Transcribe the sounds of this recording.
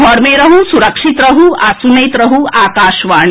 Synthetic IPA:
ɔɾmeːɾɐɦusuɾɐkʂit̪ɾɐɦuasunɐjt̪ɾɐɦuaːkaːʃʋaːɳ

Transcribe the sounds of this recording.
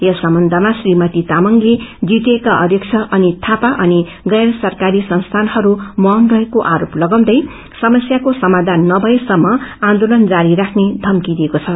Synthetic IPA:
jʌsʌmbʌnd̪ʱʌmasrimʌt̪it̪amʌŋled͡zit̪ekaʔʌɾjʌkt͡sʰʌʔʌnit̪ʰapaʔʌni | ɡʌjrsʌrkaɾisʌnst̪ʰanhʌɾumʌʌnrʌekoʔaɾoplʌɡʌw̃d̪ʌj | sʌmʌsjakosʌmad̪ʱanːʌbʱʌesʌmːʌãnd̪olʌnd͡zaɾiɾakʰned̪ʱʌmkid̪iekot͡sʰʌ

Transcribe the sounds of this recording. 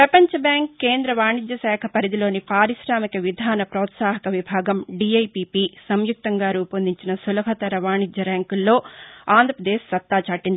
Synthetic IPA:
ppɾɐpɐɲt͡ʃɐbjaːŋkːe̞ːnd̪ɾɐʋaːɳid͡ʒ̪jɐsɛːkʰɐpɐɾid̪ilo̞ːnipaːɾiʃɾaːmikɐʋid̪ʱaːnɐpɾɔːt̪saːɦɐkɐʋibʱaːɡɐmɖiɐjpiːpiːsɐmjuk̚t̪ɐŋɡaːɾuːpɐnd̪iɲt͡ʃinɐsulɐɦɐt̪ɐɾɐʋaːɳid͡ʒ̪jɐɾaːŋkulːo̞ːaːnd̪ɾɐpɾɐd̪eːʃsɐt̪ːaːt͡ʃaːʈːind̪ii

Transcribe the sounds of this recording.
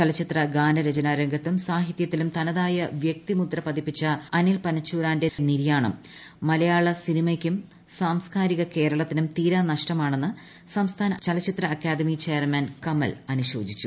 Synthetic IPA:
t͡ɕɐlɐt͡ɕːit̪rɐɡaːnɐɾed͡ʑɐnaːɾɐŋɡɐt̪ːumsaːɦit̪jɐt̪ːilumt̪ɐnɐðaːjɐʋjek̚t̪imut̪rɐpɐðipːit͡ɕːɐɐnilpɐnɐt͡ɕːuːɾaːnde̞niɾjaːɳɐ̰mː | ɐlɐjaːɭɐsinimɐkʲːum | saːmskaːɾiɣɐke̞ːɾɐɭɐt̪ːinumt̪iːɾaːnɐʂʈɐmaːɳenːɨ | sɐmst̪ʰaːnɐt͡ɕɐlɐt͡ɕːit̪rɐːkːaːd̪ɐmit͡ɕe̞ːɐrmɐnkɐmɐ̰lɐnuɕo̞ːd͡ʑit͡ɕːu

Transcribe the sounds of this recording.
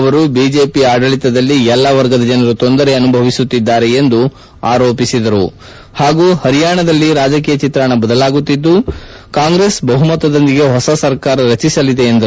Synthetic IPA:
ʋɐɾubiːd͡ʒe̞ːpiaːɖɐɭit̪ɐd̪ɐlːiɛlːɐʋɐɾɡɐd̪ɐd͡ʒɐnɐɾut̪o̞nd̪ɐɾe̞ɐnubʱɐʋisut̪ːid̪ːaːɾe̞end̪u | aːɾo̞ːpisid̪ɐɾu | haːɡuːhɐɾijaːɳɐd̪ɐlːiɾaːd͡ʒɐk̬iːjɐt͡ʃit̪ɾaɳɐbɐd̪ɐlaːɡut̪ːid̪ːu | kaːŋɡɾe̞ːsbɐɦumɐt̪ːɐd̪ond̪iɡe̞ɦɔsɐsɐɾkaːɾɐɾɐt͡ʃisɐlid̪e̞ːnd̪ɐɾu

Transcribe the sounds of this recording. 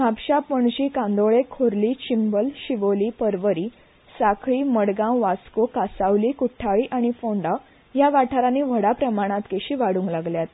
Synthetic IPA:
mapɕapəɳɕiːkãnd̪oɭekʰoɾliːt͡ɕimbəlɕiʋoliːpəɾʋəɾiː | sakʰɭiːməɽɡãʋaskokasaʋliːkuʈʰaɭiːʔaɽ̃ifoɳɖa | jaʋaʈʰaɾãniːʋ̤ʱəɽapɾəmaɽ̃ãt̪keɕiːʋaɽũːŋklaɡljat̪̚

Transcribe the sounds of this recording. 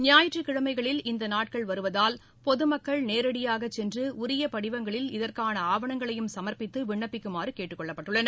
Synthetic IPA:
nɪjaːjɪʈrɯkɪɻɐmɐɪɣɐɭɪlɪnd̪ɐnaːʈ̚kɐɭʋɐɾɯʋɐðaːl | pɔðɯmɐkːɐɭneːɾɐɽɪjaːɣɐt͡ʃːɛndrɯʊɾɪjɐpɐɽɪʋɐŋɡɐɭɪlɪðɐrkaːnɐaːʋɐɳɐŋɡɐɭɐjɯmsɐmɐɾpɪt̪ːɯʋɪɳːɐpːɪkːɯmaːrɯkeːʈːɯkːɔɭːɐpːɐʈːɯɭːɐnɐ

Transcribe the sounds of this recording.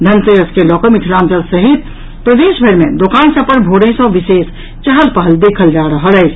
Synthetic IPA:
d̪ʱənsəəskelɔkəmitʰlamt͡ʃəlsəɦit̪ | pɾəd̪esbʱəɾmed̪okansə̃pəɾbʱoɽẽsə̃ʋises | t͡ʃəɦəlpəɦəld̪ekʰəld͡ʒaɾəɦələjt͡ʃʰ

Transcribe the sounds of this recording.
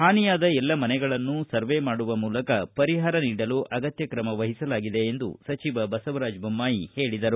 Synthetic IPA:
haːnijaːd̪ɐɛlːɐmɐnɛɡɐɭɐnːusɐɾʋemaːɽuʋɐmuːlɐkɐpɐɾiɦaːɾɐniːɽɐluʔɐɡɐt̪jɐkɾɐmɐʋɐɦisɐlaːɡid̪e̞ːnd̪ṵsɐt͡ʃiʋɐbɐsɐʋɐɾaːd͡ʒbʱɐmːaːjihe̞ːɭid̪ɐɾu

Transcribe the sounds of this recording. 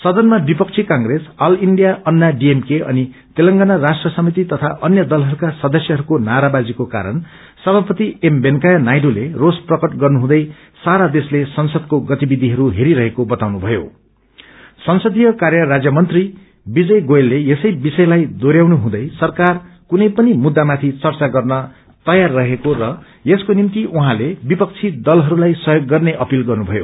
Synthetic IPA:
sʌd̪ʌnmabipʌk̚t͡sʰikãŋɡresʌliɳɖijaʔʌnːaɖiemkeʔʌ̰ni | t̪elʌŋɡanarasʈrʌsʌmit̪it̪ʌt̪ʰaʔʌnjʌd̪ʌlɦʌɾukasʌd̪ʌsjʌɦʌɾukonaɾabad͡zikoka̰ɾʌ̰n | sʌbʱapʌt̪iembenkajʌnajɖolerosprʌkʌʈɡʌrnuɦũd̪ʌj | saɾad̪eslesʌnsʌd̪̚koɡʌt̪ibid̪ʱiɦʌɾuɦeɾiɾʌɦekobʌt̪awnubʱʌjo̰ | sʌnsʌd̪ʱijʌkarjʌrad͡zjʌmʌnt̪ri | bid͡zʌjɡojelːejesʌjbisʌjlajd̪oɾjawnuɦũd̪ʌjsʌrkarkunʌjpʌnimud̪ːamat̪ʰit͡sʌrt͡saɡʌrnʌ | t̪ʌjarːʌɦekoɾʌ | jeskonimt̪iʔuɦãlebipʌk̚t͡sʰid̪ʌlɦʌɾulajsʌɦjoɡːʌrneʔʌpilɡʌrnubʱʌjo̰

